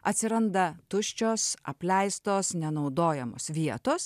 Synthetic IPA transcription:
ɐt̪ʲsʲɪɾɐnd̪ɐt̪ʊʃʲt͡ʃʲoːsɐ̰pʲlʲɛɪst̪oːsnʲɛnɒʊd̪oːjɛmo̰ːsʋʲiɛt̪oːs

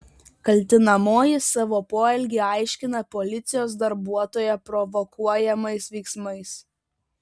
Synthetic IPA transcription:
kɐlʲt̪ʲɪnɐmoːjɪsɑːʋoːpoːɛlʲɡʲeːɑˑɪʃʲkʲɪnɐpɔlʲɪt̪sʲɪjoːsd̪ɐɾbuɔt̪oːjɛpɾɔʋɔkuɔjɛmɐɪsʋʲɛɪksmɐɪs

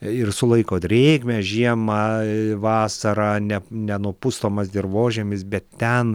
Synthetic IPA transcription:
ɪrsʊlˠɐɪkoːd̪ʲɾʲeːɡmʲɛʒʲiɛmɐʋɑːsɐɾɑnʲɛnʲɛnuɔpʊst̪oːmɐsd̪ʲɪrʋoːʒʲemʲɪsbʲɛt̪t̪ʲɛn

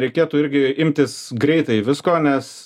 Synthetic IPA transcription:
ɾʲɛɪkʲeːt̪uɪɾʲɡʲɪɪmʲt̪ʲɪsɡɾʲɛɪt̪ɐɪʋʲɪskoːnʲɛs

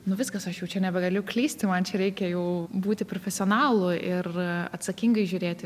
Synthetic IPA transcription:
nʊʋʲɪskɐsɐʃjɛʊt͡ʃʲɛnʲɛbʲɛɡɐlʲʊklʲiːsʲt̪ʲɪmɐnt͡ʃʲɛɾʲɛɪkʲɛjɛʊbuːt̪ʲɪpɾofʲɛsʲɪoːnɑːlˠʊʔɪrɐ̰t̪sɐkʲiŋɡɐɪʒʲʊɾʲeːt̪ʲɪ

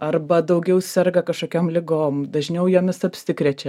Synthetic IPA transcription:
ɐrbɐd̪ɐʊɡʲɛʊsʲɛrɡɐkɐʃkoːkʲoːmlʲɪɡoːmd̪ɐʒʲnʲɛʊjɛːmʲɪsɐpʲsʲɪkɾʲɛt͡ʃʲɛ

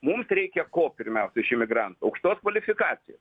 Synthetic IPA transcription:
mumsɾʲɛɪkʲɛkoːpʲɪɾʲmʲɛʊsʲɛɪʃɪmʲɪɡɾɑnt̪ʊɐʊkʃt̪oːskʋɐlʲɪfʲɪkɑːt̪sʲɪjɛ

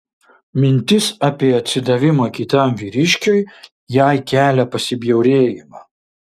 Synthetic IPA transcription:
mʲɪnʲt̪ʲɪsɑːpʲiɛɐt̪ʲsʲɪd̪ɐʋʲɪmɐkʲɪt̪ɐmʋʲiːɾʲɪʃʲkʲoj | jæɪkʲæːlʲɛpɐsʲɪbʲjɛʊɾʲeːjɪmɐ

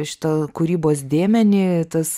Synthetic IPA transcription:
ʃʲɪ̥t̪ɐkʊɾʲiːboːsd̪ʲeːmʲɛnʲɪt̪ɐs

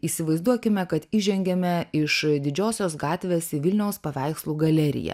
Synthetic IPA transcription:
iːsʲɪʋɐɪzd̪uɔkʲɪmʲɛkɐt̪iːʒʲɛŋʲɡʲɛmʲɛɪʃd̪ʲɪd͡ʒʲoːsʲoːsɡɑːt̪ʲʋʲeːsɪʋʲɪlʲnʲɛʊspɐʋʲæˑɪkslˠuːɡɐlʲɛɾʲɪ̰jɛ̰

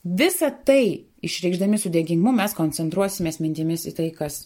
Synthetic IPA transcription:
ʋʲɪsɐt̪ɐɪ | ɪʃʲɾʲɛɪɡʒd̪ɐmʲɪsʊd̪ʲɛːɡʲɪŋɡmʊmʲɛskoːnʲt͡sʲɛnt̪ɾuɔsʲɪmʲeːsmʲɪnʲt̪ʲɪmʲɪsit̪ɐɪkɐs

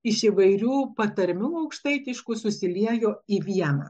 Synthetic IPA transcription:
ɪʃɪʋɐɪɾʲuːpɐt̪ɐɾʲmʲuːɐʊkʃt̪ɐɪt̪ʲɪʃkusʊsʲɪlʲiɛjoːiʋʲiɛnɐ̰ː

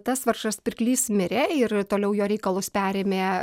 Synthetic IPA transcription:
t̪ɐsʋɐɾrʃɐspʲɪɾʲklʲiːsmʲɪɾʲeɪrt̪oːlʲɛʊjoːɾʲɛɪkɐlˠʊspʲæːɾʲeːmʲeː

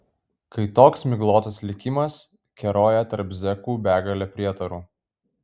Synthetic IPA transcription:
kɐɪt̪oːksmʲɪɡlˠoːt̪ɐslʲɪkʲɪmɐs | kʲɛɾoːjɛt̪ɐɾpzʲɛkuːbʲæːɡɐlʲɛpʲɾʲiɛt̪ɐɾuː

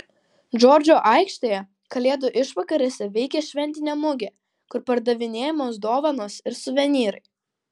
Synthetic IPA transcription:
d͡ʒoːɾʲd͡ʒʲoːʔɑɪkʃt̪ɐjɛ | kɐlʲeːd̪ʊʔɪʃʋɐkɐɾʲesʲɛʋʲɛɪkʲɛʃʲʋʲɛnʲt̪ʲɪnʲeːmʊɡʲe | kʊɾpɐɾd̪ɐʋʲɪnʲeːjɛmoːsd̪oːʋɐnoːsɪɾsʊʋʲɛnʲiːɾɐɪ

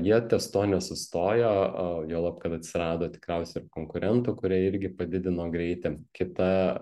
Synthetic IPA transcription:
jiɛt̪ʲɛst̪oːnʲɛsʊst̪oːjoːjoːlˠɑːpkɐt̪ɐt̪ʲsʲɪɾɑːd̪oːt̪ʲɪ̥kɾʲɛˑʊsʲɛɪɪɾkoːŋkʊɾʲʔɛnt̪ʊːkʊɾʲiɛɪɾʲɡʲɪpɐd̪ʲɪd̪ʲɪnoːɡɾʲɛɪt̪ʲɪkʲɪt̪ɐ

